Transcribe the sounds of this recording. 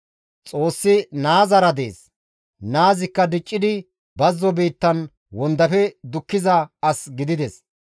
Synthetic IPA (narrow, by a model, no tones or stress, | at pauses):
t͡sʼo̞ːsːɪnaːzɐɾɐd̪e̞̰ːs | naːzɪkːɐd̪ɪt͡ʃʼːɪd̪ɪ | bɐzːɔbiːt̪ːɐn | wɔnd̪ɐfɛd̪ʊkːɪzɐɐsɡɪd̪ɪd̪ɛs